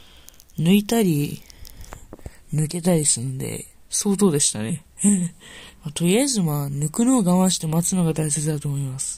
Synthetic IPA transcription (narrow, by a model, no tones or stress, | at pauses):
nɯ̟it̪aɾʲi | nɯ̟ke̞t̪aɾʲisɨnd̪e̞̰ | so̞ːt̪̬o̞ːd̪e̞ɕi̥t̪a̰ne̞ | mat̪o̞ijazɨmanɯ̟kɯ̟no̞ːɡaβãɕi̥t̪e̞mat͡sɨno̞ɡad̪aise̞t͡sɨd̪at̪o̞ːmo̞imasɨ̥